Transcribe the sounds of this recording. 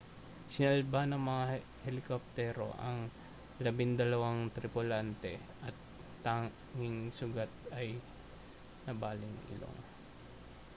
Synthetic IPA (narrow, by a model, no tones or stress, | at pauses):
sɪnɐlbanɐŋmɐŋa | hɛlɪkop̚t̪ɛɾo̰ʔɐŋ | lɐbɪŋd̪ɐlɐwaŋt̪ɾɪpʊlant̪ɛ | ʔɐt̪ː | a | ŋɪŋsʊɡat̪̚ɐj | nɐbaːlɪŋɪ̰lo̰ŋ